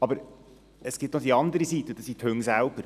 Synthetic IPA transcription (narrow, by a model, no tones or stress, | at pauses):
ɑbəɾ | ɛsɡ̥iːp̚t̪nod̪iɑnd̪əɾəsiːt̪əd̪ɑsit̪ʰʉŋsaʊɡəɾ